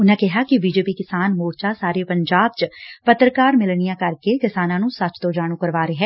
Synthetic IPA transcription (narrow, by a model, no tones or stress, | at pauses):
ʊnẽkɛɦakibiːd͡ʒeːpikɪsaːnmoːɾt͡ʃasaːɾepɐ̃ɲd͡ʒaːb̚t͡ʃpɐt̪ɾəkaːɾmɪlɳijãkɐɾkekɪsaːnãnũsɐt͡ʃt̪od͡ʒaːɽ̃ũkɐɾʋaːɾeɦɛ̃ː